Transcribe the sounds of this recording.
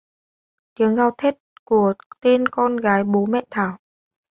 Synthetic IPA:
t̪i˨˦əŋɣaː˧˩wt̪ʰe˦˥t̚ku˧˩ət̪e˧nkɔ˧nɣaː˨˦jɓo˨˦mɛ̰˧˨t̪ʰaː˧˩w

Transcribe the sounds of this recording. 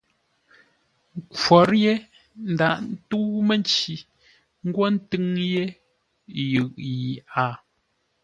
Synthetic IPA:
ŋ˦kɔ˨ɾje˦ | n̩˨da˨ʔn̩˦tu˦me˦nt͡ʃi˨ | ŋ̩˦ɡwɔ˦n̩˦tɨ˦ŋje˦ | jʉ˨ʔji˨a˨

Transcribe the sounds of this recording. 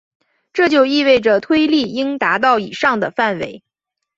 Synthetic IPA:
ʈ͡ʂɤ˥˧t͡ɕjo˥˧ʊi˥˧we˥˩ɪʈ͡ʂə˩t̪ʰwe˥ɪli˥˩i˥ŋt̪a˧˥t̪̬ɑ˥˩ʊḭ˨˩ʂɑ˥˩ŋd̪ə̰˩fa˥˩nwḛ˧˥ɪ

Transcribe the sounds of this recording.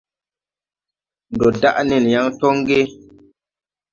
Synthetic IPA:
n˨dɔ˨da˦ʔni˨nja˦ŋtɔ˦ŋɡe˦

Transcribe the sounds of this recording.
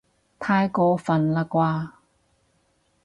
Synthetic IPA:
t̪ʰaː˧jkɔː˧fɐ˨nlaː˧kʷaː˧

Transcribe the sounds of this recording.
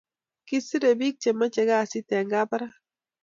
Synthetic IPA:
ki˦si˦ɾe˨bi˦k̚t͡ʃe˨ma˦t͡ʃe˨ɡa˦˨si˦tɛ˨ŋɡa˦pa˦ɾa˦

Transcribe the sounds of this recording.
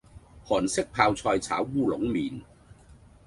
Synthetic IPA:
hɔː˨˩nsɪ˥k̚pʰaː˧wt͡sʰɔː˧jt͡sʰa̰ː˨˥wːuː˥˩lʊ˨˥ŋmiː˨˩n

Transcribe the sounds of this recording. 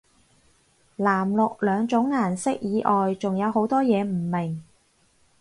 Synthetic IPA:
laː˨˩mlʊ˨k̚lœː˨˧ŋt͡sʊ˨˥ŋːaː˨˩nsɪ˥k̚jiː˨˧ʔɔː˨jt͡sʊ˨ŋjɐ˨˧wɦo˨˥wt̪ɔː˥jɛː˨˧m̩˨˩mɪ˨˩ŋ

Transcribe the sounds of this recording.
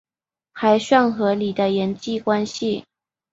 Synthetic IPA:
xa˧˥ɪʂwa˥˩nxɤ˧˥li˨˩d̪ə˦jɛ˧˥nt͡ɕi˥˧kwa˥nɕi˨

